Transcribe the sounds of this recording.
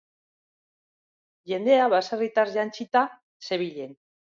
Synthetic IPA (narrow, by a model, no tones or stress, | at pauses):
ʝe̞nd̪e̞aβasarit̪azʝant͡ʃit̪a | se̞βiʎe̞n